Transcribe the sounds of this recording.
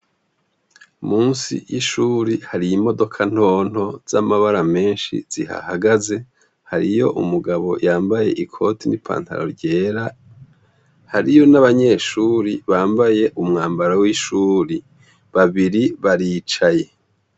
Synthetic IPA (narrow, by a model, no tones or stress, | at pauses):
muːnsḭjiʃuːɾihaɾijimo̞do̞kʰan̥o̞ːn̥ho̞z̥amaβaɾame̞ːnʃḭz̥iha̰haɡaze̞ | haɾijo̞̰ʔumuɡaβo̞̰jʔaːmbaje̞ʔikʰo̞ːtinipʰa̰ːnta̰ɾo̞̰ɾɟe̞ːɾa | haɾijo̞naβaɲe̞ːʃuːɾiβaːmbaje̞ʔumŋaːmbaɾawiʃuːɾi | βaβiɾiβaɾiːt͡ʃaje̞